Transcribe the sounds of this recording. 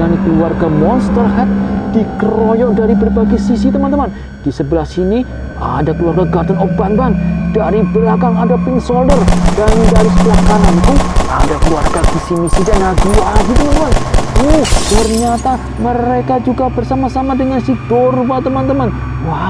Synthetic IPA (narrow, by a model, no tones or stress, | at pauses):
ankəluarɡamɔnst̪ərɦɛt̪̚d̥ikəɾɔjɔʔdaɾibərbaɡɛsisit̪əmant̪̬əman | d̥isəbəlasini | a̰dakəluarɡaɡart̪ənɔp̚banbandaɾibəlakaŋadapɪŋsɔldərdandaɾisəbəlakanant̪ua̰dakəluarɡaɡisimisidɛnaɡiwaɦit̪umanut̪ərɲat̪a | məɾekad͡ʒuɡabərsamasamadəŋansidorupat̪əmant̪əman | wa